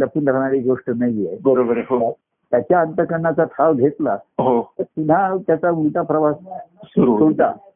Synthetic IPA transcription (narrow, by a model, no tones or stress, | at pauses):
ləpuːnd̪ʱəɾɳ̃aɾiɡoʂʈənajiebəɾobəɾeɦoa | t̪jat͡ɕjaənt̪əkəɾɳat͡sat̪ʰaʋɡʱet̪laɦot̪əɾp̪un̤ɦat̪jat͡sault̪apɾəʋasasuɾuoɭt̪a̰